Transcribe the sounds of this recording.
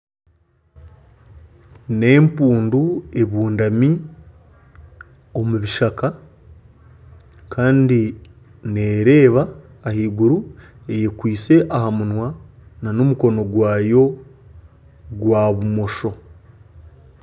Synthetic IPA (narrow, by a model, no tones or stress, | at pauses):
ne̞ːmpuːndue̞βuːndami | o̞muβiʃaka | kaːndi | ne̞ːɾe̞ːβaː | hiːɡuɾu | e̞jekwiːse̞ʔaɦamunwananomuko̞no̞ɡwaːjo̞ | ɡwaβumo̞ʃo̞